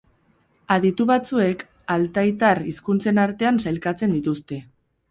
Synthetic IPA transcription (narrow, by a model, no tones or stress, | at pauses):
aðit̪uβat͡sue̞k | alt̪ajt̪ariskunt͡se̞naɾt̪e̞ansajlkat͡se̞nd̪it̪ust̪e̞